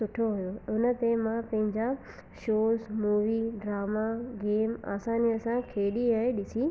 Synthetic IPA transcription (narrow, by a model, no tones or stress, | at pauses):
ʊʈʰoɦujoʊnə̆t̪emãpɐ̃ɦɪ̃ɲd͡ʑa | ʃoːzmuːʋiːɖɾaːmaɡeːma̰ːsaːniɐsãkʰeːɗiaːeɗɪsi